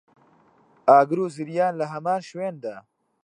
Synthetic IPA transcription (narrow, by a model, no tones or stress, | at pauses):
aːɡɾuːziɾjaːnlɐɦɐmaːnʃweːnd̪a